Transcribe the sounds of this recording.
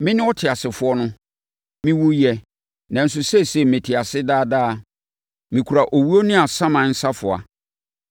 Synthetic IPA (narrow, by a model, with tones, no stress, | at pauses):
mɪ̃˦nɪ̃˦ɔ˦tʰɪ˨a˨sɪ˨fʊ˨˦ɔ˦nʊ̃˦ | mĩ˦wʊ˦jɛ˨ | nã˨n̩˦s̬ʊ˨sɛ˦sɛ˨mɪ̃˨tʰɪ˨a˨sɪ˦daː˦daː˦˨ | mĩ˨kʰu˨ɾa˨ʔo˨wi˦o˦nɪ̃˦a˨sã˦mã˨˦n̩˦sa˦fʊ˨a̰˨